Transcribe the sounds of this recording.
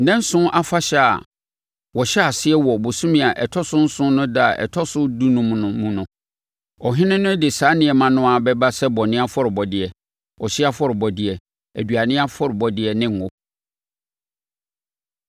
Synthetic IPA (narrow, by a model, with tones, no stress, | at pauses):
nɛ̃˦n̩˦sʊ̃˦ʔa˦fa˦ɕɛ˦a̰˨ | wɔ˨ɕɛ˦a˨sɪ˦ɛ˦wɔ˨bʊ˨sũ˦mĩ˨a˨ʔɛ˨tʰɔ˦sʊ̃˦n̩˦sʊ̃˦nʊ̃˦da˦a˨ʔɛ̰˨tʰɔ˦sʊ˦du˦nʊ̃˦m̃˨nʊ̃˨mũ˨nʊ̃˨ | ɔ˨ɦɪ̃˦nɪ̃˦nʊ̃˦dɪ˨saː˨˦nɪ̃˦ɛ˨mã˦nʊ̃˦a˨bɛ˦ba˦sɛ˦bɔ˨nɪ̃˦a˦fɔ˦ɾɪ˨bɔ˨dɪ˨ɛ˨ | ɔ˨ɕɪ˦a˦fɔ˦ɾɪ˨bɔ˨dɪ˨ɛ˨ | æ˨dɥa˨nɪ̃˦a˦fɔ˦ɾɪ˨bɔ˨dɪ˨ɛ˨nɪ̃˦˨ŋ˨ʊ˦